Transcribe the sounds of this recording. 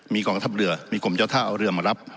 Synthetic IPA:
miː˧kɔː˧ŋt̪ʰa˦˥p̚ɾɯ˨˩ɐmiː˧ko˨˩mt͡ɕaː˥˩t̪ʰaː˥˩ʔa˧wɾɯ˧ɐmaː˧˩ɾa˦˥p̚

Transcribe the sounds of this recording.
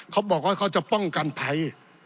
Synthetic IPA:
kʰa˦˥wbɔː˨˩k̚waː˥˩kʰa˧˥˩wt͡ɕa˨˩pɔ˥˩ŋka˧npʰa˨˦j

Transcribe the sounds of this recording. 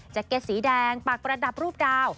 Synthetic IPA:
t͡ɕaː˨˩kːe˦˥t̪̚siː˩˦dɛː˧ŋpa˨˩k̚ɾa˧da˨˩p̚ɾuː˥˩p̚daː˧w

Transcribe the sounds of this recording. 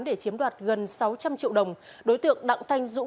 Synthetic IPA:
nɗe˧˩t͡ɕi˨˦əmɗwaː˨˩t̚ɣə˨˩nsa˨˦wt͡ɕa˧mt͡ɕḭ˧˨əwɗə˨˩wŋ͡m | ɗo˨˦jt̪ɨ̰˧˨əŋɗa̰˧˨ŋt̪ʰa˧jŋ̟zʊ̰˧˥

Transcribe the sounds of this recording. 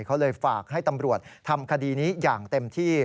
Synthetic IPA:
kʰa˦˥wlɤː˧jfaː˨˩k̚ha˥˩jt̪a˧mɾu˨˩ət̪̚t̪ʰːa˧mkʰa˧diː˧niː˦˥jaː˨˩ŋt̪e˧mt̪ʰiː˥˩

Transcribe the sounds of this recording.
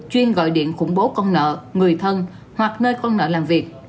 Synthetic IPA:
t͡ɕwi˧ənɣɔ̰˧˨jɗḭ˧˨ənxʊ̰˧˩ŋ͡mɓo˨˦kɔ˧nnə̰ː˧˨ŋɨ˨˩əjt̪ʰə˧n | hwa˨˩k̚nəː˧jkɔ˧nnə̰ː˧˨laː˨˩mvi˨˩ək̚

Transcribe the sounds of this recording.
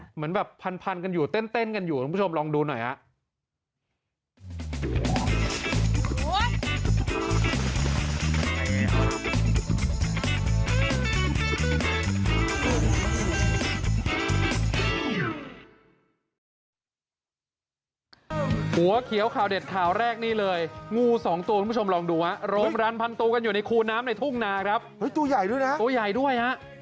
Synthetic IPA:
mɯ˩˦ənbɛː˨˩pʰːa˧npʰa˧nka˧njuː˨˩t̪e˥˩nt̪e˥˩nka˧njuː˨˩k̪ːʰo˧mlɔː˧ŋduː˧nɔ˨˩jha̰˧˦ʔ | hu˨˩˦ɐkʰi˩˦əwkʰaː˨˩wde˨˩t̪̚kʰaː˨˩wɾɛː˥˩k̚niː˥˩lɤː˧jŋuː˥˩sɔː˩˦ŋt̪u˧kpʰːt͡ɕʰmɾɔː˧ŋduː˧ha˦˥ʔɾoː˧mɾaː˧npʰa˧nt̪uː˧ka˧njuː˨˩na˧jkʰuː˧naː˦˥mna˧jt̪ʰu˥˩ŋnaː˧kʰɾa˦˥p̚hɤ˦˥jt̪u˧ɐja˨˩jdu˥˩jna˦˥ʔt̪u˧ɐja˨˩jdu˥˩əjha˦˥ʔ

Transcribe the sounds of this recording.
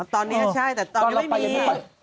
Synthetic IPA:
t̪ɔ˧nːi˦˥t͡ɕʰa˥˩jt̪ɛː˨˩t̪ɔː˧˦˥ma˥˩i˧

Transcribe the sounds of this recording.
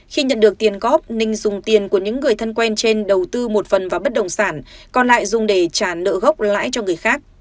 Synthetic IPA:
xi˧ɲə̰˧˨nɗɨ˨˩ək̚t̪i˨˩ənɣɔ˦˥p̚nï˧ŋ̟zʊ˨˩ŋ͡mt̪i˨˩ənku˧˩əɲɨ̰˧˥ŋːɨ˨˩əjt̪ʰə˧nkwɛ˧nt͡ɕe˧nɗə˨˩wt̪ɨ˧mo˨˩t̚fə˨˩nvaː˨˩ɓə˦˥t̚ɗə˨˩wŋ͡msaː˧˩nkɔ˨˩nla̰ː˧˨jzʊ˨˩ŋ͡mɗe˧˩t͡ɕaː˧˩nə̰ː˧˨ɣə˦˥wk͡p̚la̰ː˧˥jt͡ɕɔ˧ŋɨ˨˩əjxaː˦˥k̚

